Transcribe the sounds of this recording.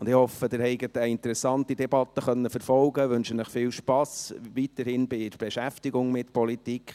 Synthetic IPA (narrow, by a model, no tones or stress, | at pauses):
ʊnd̥ɪhɔfəd̥ɪːɾhɛɪɡətəɪntəɾɛsːɑntid̥ɛb̥ɑt̪ːəχœnːəfəɾfɔlɡəʋɵnʃənɪχfɪːlʃpɑsʋitəɾhɪnbɪb̥eʃæftɪɡʊŋmɪtpʰɔlitikχ